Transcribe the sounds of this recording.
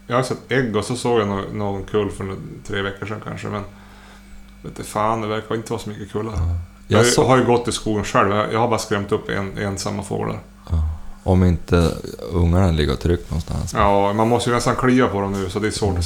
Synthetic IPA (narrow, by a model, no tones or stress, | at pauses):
jɑhajəsɛt̪ːɛɡːɔsɔsoːɡjanoːnoːɡɔnkʰʉːlːfœɾt̪ʰɾeːvɛkːəʂɛnkʰa̰nʂə̰mɛn | veːt̪ːfaːnd̪ɛvæɾkaɪnt̪əʋɑːsɔmʏkːəkʰʉːlːaɾə | ɦaɾjɵɡɔt̪ːɪskuːɡənʂɛlvjaja̰habɑːɾaskɾɛmt̪ɵpːɛ̰nɛnsamːafo̰ːɡla̰ɾ | ʔɔmɪnt̪ə̰ɵŋːaɳalɪɡːə̰t̪ʰɾʏkːnɔ̰nst̪ʰa̰nsjɑːmanmɔst̪əjnɛst̪ankʰɽiːvapʰɔd̪ɔmnʉ̟ːsɔt̪d̪ɛsvoːʈ